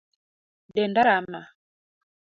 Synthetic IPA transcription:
dɛndaɾama

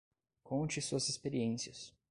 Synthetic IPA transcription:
kõt͡ʃɪsuɐzespeɾiẽsiɐs

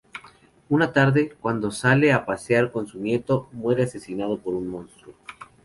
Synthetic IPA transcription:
unat̪aɾðe̞kwand̪o̞sale̞apasjaɾko̞nsunje̞t̪o̞mwe̞ɾease̞sinað̞o̞po̞ɾunmõ̞nst̪ɾu

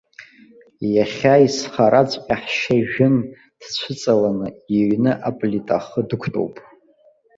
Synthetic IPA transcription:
jaχʲaisχaɾʔat͡sʷʼqʲʼaħʃaʒᶣɪn | d̥t͡ɕʷʰɨt͡sʼalanɨiɥnɨʔapʼlitʼaχədɨkʷʰtʼo̰wpʼ

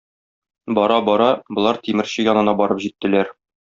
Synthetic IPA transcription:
bɒɾɑbɒɾɑbŏlˠɑɾt̪imɘ̆ɾɕɘjɒnɤ̆nɑbɒɾɤpʑit̪ːɘ̆læɾ

